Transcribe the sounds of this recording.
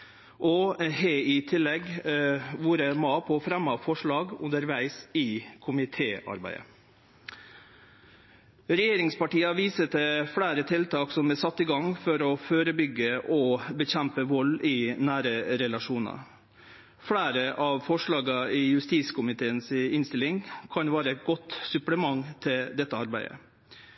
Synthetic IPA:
ʔɔheɪt̪ʰɪlːɛɡ | ʋuːɾəmɑːpʰɔfɾɛmːɑfɔʂɭɑːɡʉ̰nd̪əɾʋæɪsɪkʰʊmɪt̪ʰeːɑ̰ɾbæ̰ɪə̰ | ɾɛjeːɾɪŋspɑʈiːɑʋiːsət̪əfɽæːɾət̪ʰɪlt̪ɑːksɔmbɛsɑt̪ːɪɡɑŋfɔɾɔføːɾəbʏɡːəʔɔbəçæmpəʋɔlɪnæːɾəɾɛlɑʂuːnɑ̰ | fɽæːɾəʔɑʋfɔʂɭɑːɡɑɪjʉst̪iːskʰʊmɪt̪ʰeːənsɪnst̪ɪlɪŋkʰɑnʋɑːɾəɛt̪̚ɡɔt̪sʉpləmɑŋt̪ʰɪld̪ɛt̪ːəɑɾbæɪə̰

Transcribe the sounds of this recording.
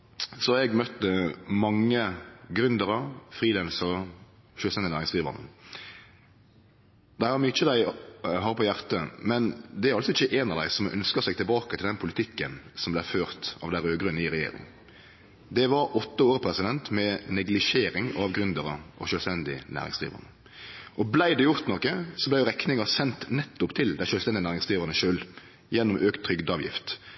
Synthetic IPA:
sɔɛɡmœt̪ːəmɑŋːəɡɾʉnd̪əɾəfɾiːlɛnsə | ʃølst̪ɛnd̪ɪnæːɾɪŋskʁiːʋə̰nə | d̪æɪhɑɾmyːɪt͡ʃːəd̪æɪɦɑːʁpʰɔjæʁt̪əmɛnd̪ɛæɾɑlsɔɪçəʔeːnɑʋd̪æɪsɔmʔœ̰nskəʁsæɡt̪ɪlbɑːkət̪ʰɪld̪ɛnpʰʊlɪt̪ʰɪkːənsɔmblæføːʁt̪ɑ̰ʋd̪æɪɾøːɡɾəniːɾɛjḛːɾɪ̰ŋ | d̪ɛʋɑɾɔt̪ːəoːɾəpʰɾɛsɪd̪ɛnt̪mɛnɛɡlɪʃeːɾɪŋɑɑʋɡɾʉnd̪əʁəʔɔ̰ʃøːlst̪ɛnd̪ɪnæ̰ːɾɪŋsd̪ʁḭːʋə̰ʁnə | ʔɔblæɪd̪ɛjʊɾt̪nɔkːəsɔblæɪjʊɾɛknɪŋəsɛnt̪nɛt̪ːʊpt̪ʰɪld̪æɪʃøːlst̪ɛnd̪ɪnæːʁɪŋsd̪ʁiːʋəʁnəʃøːl | jɛnːʊmʔøːkt̪ʰɾʏɡd̪ɑʋjɪ̰ft̪

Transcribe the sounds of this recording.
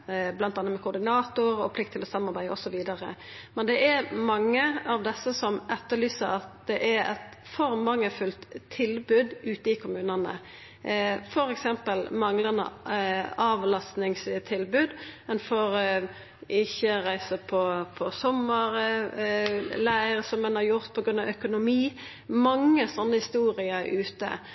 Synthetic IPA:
blɑnt̪ɑnəmɛkʊɾd̪ɪnɑːt̪ʊɾɔ̰pʰlɪkt̪ʰːɪlɔsɑmːɑɾbæɪdəɔsɔʋiːd̪ɑɾə̰mɛnd̪ɛʔæɾmɑŋːəɑʋd̪ɛsːəsɔmʔɛt̪ːəɭyːsəɾɑt̪̚d̪ɛʔæɾɛ̰t̪fɔɾmɑŋːəfʉlt̪ʰːɪlbʉd̪ʉːt̪əɪkʰʊmʉːnənə̰ | fɔɾɛksɛmpəlmɑŋlənə̰ | ɑːʋlɑst̪nɪŋst̪ʰɪlbʉːd̪mɛnfɔɾ | ɪçːəɾæɪsəpʰɔpʰɔsɔmːəɾ | læɪəɾəsɔmɛnɑɾjʊɾt̪pʰɔɡɾʉnɑʋœkʊnʊmiː | mɑŋːəsɔnːəhɪst̪uːɾɪəʉːt̪ə̰

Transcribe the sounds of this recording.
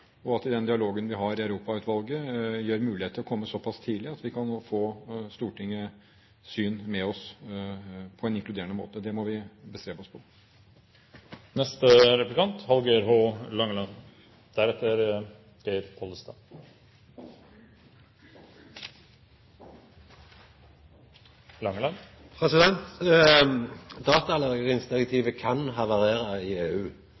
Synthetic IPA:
ɔɑt̪ɪd̪ɛnd̪ɪɑloːɡənʋɪɦɑɾɪɑʉɾuːpɑʉːt̪ʋɑlɡəjøːɾmʉːlɪheːt̪ʰlɔkʰɔmːəsɔpʰɑst̪ʰiːd̪lɪɑt̪ʋɪkʰɑnfoːst̪uːʈɪŋːə | syːnmɛɔs | pʰɔɛnɪŋklʉd̪eːɾəɳəmo̰ːt̪əd̪ɛmɔʋɪbəst̪ɾeːʋəɔspʰɔ | nɛst̪əɾɛplɪkʰɑnt̪hɑlɡəæɾɦoːlɑŋːəlɑn | d̪̥æɾɛt̪ːəɾ | ɡ̥eɾpʰɔləst̪ɑ | lɑŋəlɑn | pʰɾɛsɪd̪ɛnt̪ | d̪ɑːt̪ɑlɑɡəʁɪŋsd̪ɪʁɛk̚t̪ʰiːʋəkʰɑnɦɑːʋɑʁeːɾəɪeːʉː

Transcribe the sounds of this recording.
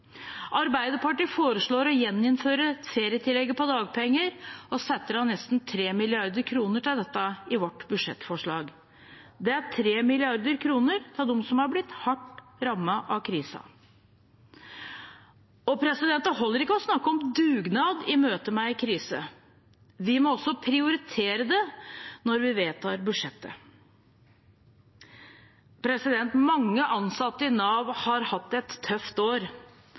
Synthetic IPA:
ʔɑɾbæɪd̪əpɑʈiːfoːɾəʂɭoːɾɔjɛnːɪnføːɾəfeːɾjət̪ʰɪlːɛɡːəpɔd̪ɑːɡ̚pʰɛŋːəɾɔsɛt̪ːəɾɑnːɛst̪n̩t̪ʰɾeːmɪlɪɑɾd̪əɾkʰɾuːnəʈɪld̪ɛt̪ːɑɪʋɔʈːbʉʂɛ̰t̪ːfɔʂɭɑːɡ | d̪ɛæʈʰɾeːmɪlɪɑɾd̪əɾkʰɾuːnəɾt̪ʰld̪ɔmsɔmhɑɾblɪt̪ːhɑʈɾɑmːəʔɑʋkʰɾiːsɑ̰ | ɔpʰɾɛsɪd̪ɛnt̪əɦɔlːəɾɪkːəɔsnɑkːəɔmd̪ʉːɡnɑːd̪ɪmøːt̪əmæɪɪkʰɾiːsə̰ | ʋɪmɔɔsɔpʰɾɪʊɾɪt̪ʰeːɾəd̪ɛnɔɾʋɪʋeːt̪ʰɑːɾbʉʂɛt̪ːə̰ | pʰɾɛsɪd̪ɛnt̪mɑŋːəʔɑnsɑt̪ːəɪnɑːʋhɑɾhɑt̪ːɛt̪ʰːœft̪oːɾ

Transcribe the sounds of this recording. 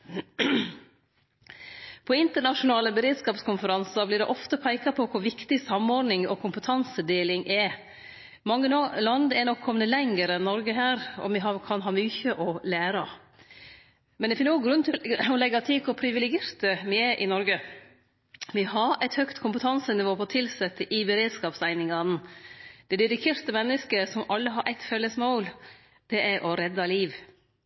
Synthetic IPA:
pʰɔɪnt̪əɳɑʂʊnɑːləbəɾeːd̪skɑːpskʰʊnfəɾɑnsɑblɪɖɛʔɔft̪əpʰæɪkɑpʰɔkʰʊɾʋɪkt̪ɪsɑmːɔɾnɪŋɔkʰʊmpət̪ʰɑnsəd̪eːlɪŋʔɛ | mɑŋːəlɑnd̪ɛnɔkʰːɔmənəlɛŋəɾɛnːɔɾɡəɦæːɾɔ̰mʋɪɦɑkʰɑnɦɑːmyːçəʔɔlæːɾɑ | mɛnd̪ɛfɪnsɔɡɾʉnːt̪ʰɪɔlɛɡːɑt̪ʰɪkʰɔpʰɾɪʋɪlɛɡeːɾt̪əmɪɛʔɪnɔɾɡə | ʋɪhɑɾæɪt̪hœkt̪kʰʊmpət̪ʰɑnsənɪʋoːpʰɔt̪ʰɪlsɛt̪ːəʔɪbəɾeːd̪skɑːpsæɪnɪŋɑnd̪̥ɛd̪ɪd̪ɪk̪ʰeːɾt̪əmɛnːəskəsɔmɑlːəɦɑɾʔæɪt̪fœlːəsmaʊl | d̪̥ɛʔæɾʔɔɾɛd̪ːɑliːʋ

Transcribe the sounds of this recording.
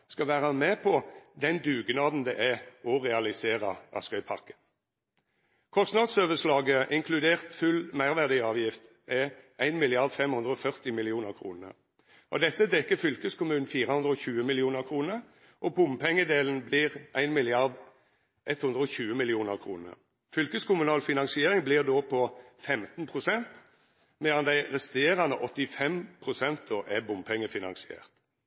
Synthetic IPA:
skɑʋæːʁəmeːpʰɔd̪ɛnd̪ʉːɡnɑːd̪n̩d̪ɛʔæɔʁɛɑlɪseːʁəʔɑ̰skœʏpʰɑ̰kə̥ | kʰɔst̪nɑd̪søːʋəʂlɑːɡəʔɪŋkʰlʉd̪eːʁt̪fʉlmæɪʁʋæʁd̪iɑːʋjɪft̪ | ɛæɪnmɪlɪɑʁd̪fɛmhʉnd̪ʁəɔfœʁt̪ɪmɪlɪuːnəʁkʰʁṵːnə̰ʁ | ʔɔ̰d̪ɛt̪ːəd̪ɛkːəfʏlkəskʰʊmʉːnn̩fiːʁəhʉnd̪ʁəɔçʉːəmɪlɪuːnəʁkʰʁuːnəʁ | ʔɔbʊmpʰɛŋːəd̪eːln̩blɪʁʔæɪnmɪlɪɑʁd̪ | ʔɛt̪hʉnd̪ʁəɔçʉːəmɪlɪuːnəʁkʰʁṵːnə̰ʁ | fʏlkəskʊmʉnɑːlfɪnɑŋsɪeːʁɪŋblɪʁd̪oːpʰɔfɛmt̪n̩pʰʁʊsɛnt̪ | mɛɑnd̪æɪʁɛst̪eːʁɑnəʔɔt̪ːɪfɛmpʰʁʊsɛnt̪̚d̪oːʔɛbʊmpʰɛŋːəfɪnɑ̰nsɪḛːʁt̪

